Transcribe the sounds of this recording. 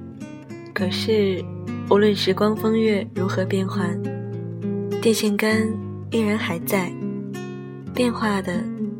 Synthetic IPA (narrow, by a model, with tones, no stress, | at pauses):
kʰɤ˨˩ʂɻ̩˥˩u˧˥lwə˥˩nʂɻ̩˧˥kwɑ˥ŋfɤ˥ŋɥɛ˥˩ɻu˧˥xɤ˧˥pjɛ˥˧nxwa˥˩ | t̪jɛ˥˧nɕi˥˩ŋkə˥n | i˥˩ŋɻa˧˥nxa˧˨˩ɪt͡sa˥˩ɪ | pjɛ˥˧nxwa˥˩d̪ə˩